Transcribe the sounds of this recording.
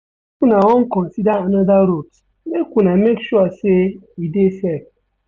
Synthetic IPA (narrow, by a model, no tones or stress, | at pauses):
ekunaɔŋ̩kɔn̩sidaanaðaɾot | mekʷunamekʃuaseidesek̚